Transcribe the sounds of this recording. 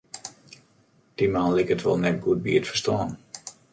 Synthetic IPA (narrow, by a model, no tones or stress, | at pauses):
d̥imanlikətʋɔ̰lˠnɛtɡut̚bḭətfə̥rstɔːn